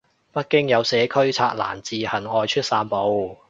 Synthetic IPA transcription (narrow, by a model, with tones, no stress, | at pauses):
pɐ˥t̚kɪ˥ŋjɐ˨˧wsɛː˨˧kʰɵ˥ɥt͡sʰaː˧k̚la̰ː˨˩nt͡siː˨hɐ˨˩nɔː˨˧jt͡ʃʰɵ˥t̚saː˧npo˨˧w